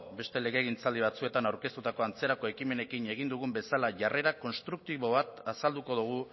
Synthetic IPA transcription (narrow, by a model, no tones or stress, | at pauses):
be̞st̪e̞le̞ɣe̞ːɣint͡sald̪iβ̞at͡sue̞t̪anawɾke̞st̪ut̪ako̞ant͡se̞ɾako̞e̞kime̞ne̞kine̞ɣ̞ind̪uɣ̞umbe̞salaʝare̞ɾako̞nst̪ɾuk̚t̪iβo̞βat̪asald̪uko̞ðuɣ̞u